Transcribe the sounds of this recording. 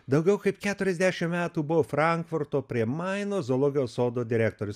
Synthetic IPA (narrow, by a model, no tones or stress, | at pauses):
d̪ɐʊɡʲɛʊkɐɪpkʲæːt̪ʊɾʲɛzʲd̪ʲæʃʲɪmmʲæːt̪uːbʊʋoːfɾɐŋkfʊɾt̪oːpʲɾʲiɛmɐɪnoːzoːlˠoːɡʲɪjoːsoːd̪oːd̪ʲɪɾʲæːk̚t̪oːɾʲʊs